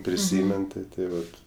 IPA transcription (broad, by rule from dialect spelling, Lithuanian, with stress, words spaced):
pʲrʲɪˈsʲiːmʲɛn tʲɪ tɐɪ ˈʋɐt